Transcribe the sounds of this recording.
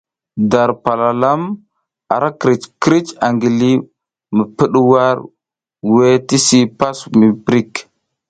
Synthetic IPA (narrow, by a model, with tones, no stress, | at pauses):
da˨ɾpa˨la˨la˦m | a̰˨ɾʔa˦kɾi˨t͡ʃkɾi˦t͡ʃa˨ŋɡi˨li˦ | mə˨pə˦ɗwa˦ɾ | we˦ti˦si˦pa˦smi˨pɾi˦k